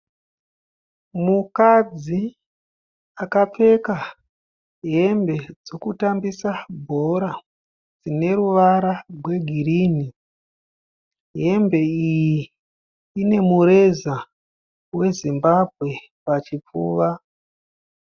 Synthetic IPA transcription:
mukad͡zi | akap͡fe̞ka | ɦe̞mbe̞d͡zokutambisabʱo̞ɾa | d͡zine̞ɾuʋaɾarʱwe̞ɡʱiɾini | ɦe̞mbe̞ijjiː | ne̞muɾe̞za | we̞zimbab̚ʱɣe̞ | pat͡ʃip͡fuːʋa

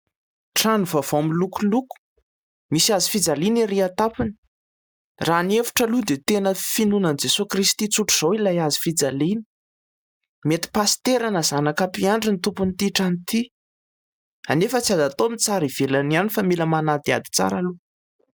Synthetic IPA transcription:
ʈ͡ʂanuvav̥oamilukuluku̥ | misiazifid͡zaliniɾiat̪apini̥ | raniefu̥ʈ͡ʂəlud̪et̪enəfinunand͡zesukɾist̪it͡suʈ͡ʂuz̥owilajazi̥fid͡zalini̥ | met̪i̥past̪eɾanəzanakapiaɳɖ͡ʐinit̪upunit̪iʈ͡ʂanit̪i | anefət͡siazat̪omit͡saɾiv̥elanianifamiləmanad̪ia̰d̪i̥t͡sa̰ɾalu

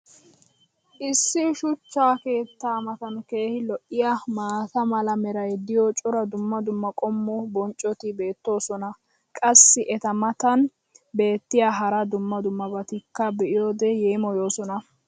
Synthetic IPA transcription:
ʔɪsːɪʃʊt͡ʃːaːke̞ːt̪ːaːmɐt̪ɐnke̞ːhɪlɔʔːɪjamaːt̪ɐmɐlɐmɛɾɐjd̪ɪjɔt͡ʃʼɔɾɐd̪ʊmːɐd̪ʊmːɐkʼɔmːʊbɔnt͡ʃʼːɔt̪ɪbe̞ːt̪ːo̞ːsɔnɐ | kʼɐsːɪʔɛt̪ɐmɐt̪ɐn | be̞ːt̪ːɪjaɦɐɾɐd̪ʊmːɐd̪ʊmːɐbɐt̪ɪkːɐbɛʔɪjo̞ːd̪ɛjeːmɔjo̞ːsɔnɐ

